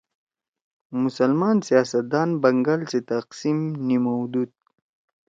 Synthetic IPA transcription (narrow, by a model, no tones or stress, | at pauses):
mʊsalmɑːnsijaːsat̪̚d̪ɑːnbaŋɡalset̪aqsimnimawd̪ud̪̚